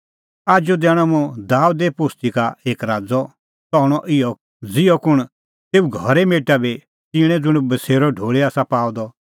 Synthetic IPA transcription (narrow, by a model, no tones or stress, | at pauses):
aːd͡ʒod̪ɛːɽ̃ɔmũd̪aːud̪epost̪ikaeːkɾaːd͡zɔ | t͡sɔɽ̃ɔʔɪjɔ | d͡zɪjɔkʊɽ̃ | t̪eːuɡʱɔɾɛmeːʈabi | t͡ʃiɽ̃ɛ̃d͡zʊɽ̃bɐseːɾɔɖʱoːɭeaːsapaːwd̪ɔ